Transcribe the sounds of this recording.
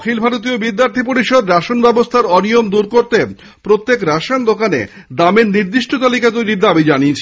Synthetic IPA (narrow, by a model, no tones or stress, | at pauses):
kʰilbʱaɾot̪̬iobid̪ːjaɾt̪ʰip̬oɾiʃod̪ɾaʃonbɛbost̪ʰaɾɔniomd̪uɾkoɾt̪e | pɾot̪ːekɾaʃand̪okanḛ | d̪ameɾniɾd̪iʃʈʰot̪olikat̪ojɾiɾd̪abid͡ʑaniet͡ɕʰe